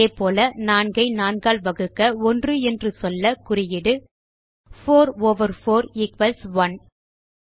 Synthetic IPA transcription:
eːpoːlɐnaːnɡɐɪnaːnɡaːɭʋɐɣɯkːɐɔndrɯɛndrɯsɔlːɐkʊrɪjɪɽɯ | foːɾoːʋɐɾfoːɾɪkʋɐlsʋɐn

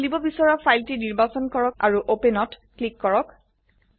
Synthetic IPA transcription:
libɔbisɔɹapʰajltiniɹbasɔnkɔɹɔkaɹuʔopenɔtklikːɔɹɔk

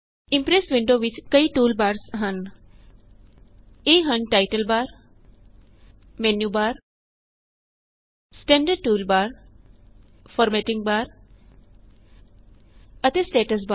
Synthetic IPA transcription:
ɪ̃mpɾesʋɪ̃ɳɖoːʋɪt͡ʃkɐiʈuːlbaːɾsɦɐn | eːɦɐ̃nʈaːɪʈəlbaːɾ | menjuːbaːɾ | sʈẽɳɖəɖ̚ʈuːlbaːɾ | fɔːɾmeːʈɪ̃ŋɡ̚baːɾ | ɐt̪esʈeːʈəs̬ba

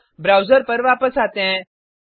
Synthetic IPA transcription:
bɾawzəɾpəɾʋapəsat̪ẽ

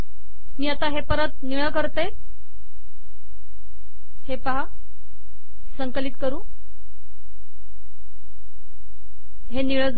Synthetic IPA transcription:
miːat̪aɦepəɾət̪̚niɭəkəɾt̪e | hepaɦa | səŋkəlit̪̚kəɾũː | ɦeniɭəd͡z

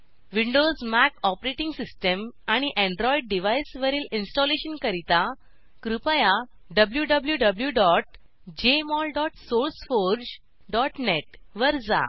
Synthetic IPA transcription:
ʋiɳɖozmækɔpɾeʈiŋɡsisʈəmaɽ̃iʔẽɳɖɾɔiɖ̚ɖiʋajsʋəɾiːlinsʈɔleɕənkəɾit̪a | kɾupəja | ɖəbljuɖəbljuɖəbljuɖɔʈ | d͡ʑemɔlɖɔʈsoɾsfoɾd͡ʑ | ɖɔʈneʈʋəɾd͡za̰

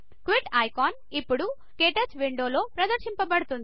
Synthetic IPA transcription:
kʋiʈaːjkaːn | ipːuɽu | keːʈɐt͡ʃʋiɳɖoːlo̞ːpɾɐd̪ɐɾʃimpɐbɐɽut̪und̪i

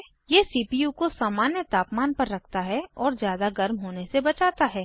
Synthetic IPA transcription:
jeːsiːpijukosaːmaːnjət̪aːpmaːnpɐɾːɐkʰt̪aɦɛɔːɾzjaːd̪aɡɐɾmɦoːnesebɐt͡ʃaːt̪aɦɛː

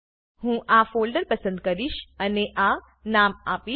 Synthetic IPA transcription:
ɦũʔafoːlɖəɾpəsə̃nd̪̚kəɾiʃəneʔa | namapi

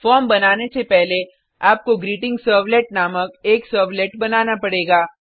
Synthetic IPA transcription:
fɔːɾmbɐnaːnesepɛɦle | aːp̚koɡɾiːʈɪ̃ŋɡsəːɾʋleʈ̚naːmək̚eːksəːɾʋleʈbɐnaːnapɐɽeːɡaː

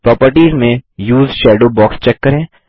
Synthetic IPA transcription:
pɾɔːpəɾʈiːzmẽjuːzʃɛːɖoːbɔːkst͡ʃɛkːɐɾẽː

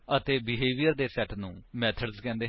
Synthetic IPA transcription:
ət̪eːbɪɦeːʋijəɾd̪eːsɛːʈnũːmɛːt̪ʰəɖzkɛ̃ːnd̪eː

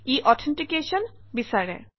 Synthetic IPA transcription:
iʔɔtʰɛntikesɔnbisaɹɛ̰

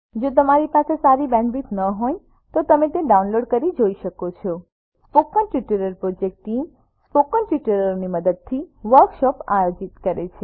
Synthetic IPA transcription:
d͡ʒot̪̬əmaɾipasesaɾibɛ̃ɳbit̪nəɦoj | t̪ot̪əmet̪eɖaunloɖkəɾid͡ʒoiʃəkot͡ʃʰɔ | spokənʈʋiʈəɾəɾpɾɔd͡ʒek̚ʈːim | spokənʈʋiʈəɾəɾoniməd̪əd̪̚t̪ʰiʋəɾkʃɔpajod͡ʒit̪kəɾet͡ʃʰe

